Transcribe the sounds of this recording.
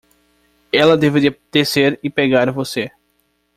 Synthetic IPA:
ɛlɐd̪eved̪id̪̥eseɾɪpeɡaɾvose

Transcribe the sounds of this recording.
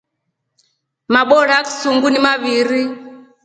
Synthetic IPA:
maɓɔɺaki̥suŋɡunimaβiɾi

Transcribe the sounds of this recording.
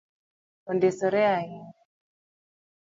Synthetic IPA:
ɔndisɔɾɛai

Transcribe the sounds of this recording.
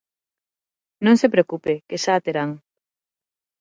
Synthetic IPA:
nõŋsepɾeokupekeʃaːt̪eɾaŋ

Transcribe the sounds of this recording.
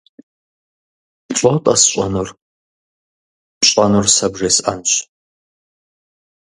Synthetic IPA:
ɕʼowtʼɐsɕʷʼɐnur | ɕʼɐnursɐbʐeːsʔɐ̰nɕ

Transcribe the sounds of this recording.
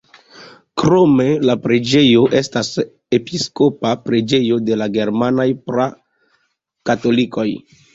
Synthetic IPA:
kɾo̞me̞lapɾed͡ʒe̞jo̞ʔe̞stas | episko̞papɾed͡ʒe̞jo̞de̞laɡe̞ɾmanajpɾa | kato̞liko̞j

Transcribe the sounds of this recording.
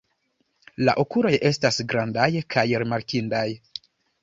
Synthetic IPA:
la̰ʔokuɾo̞je̞stasɡɾandajkʰajɾimaɾkindaj

